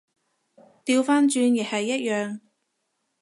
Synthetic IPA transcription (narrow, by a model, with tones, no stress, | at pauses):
t̪iː˧wfaː˥nt͡ʃyː˧njɛ˨hɐ˨jːɐ˥t̚jœː˨ŋ